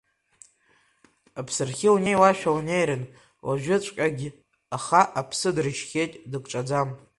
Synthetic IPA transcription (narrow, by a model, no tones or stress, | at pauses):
apʰsɨrχʲiunejwaʃᶣawnejɾɨn | wa̰ʒᶣʊt͡ʃʷʼkʲʼaɡʲi | aχaʔapʰsɨdrɨʃχʲejtʼdɨkʼʈ͡ʂʼad͡zam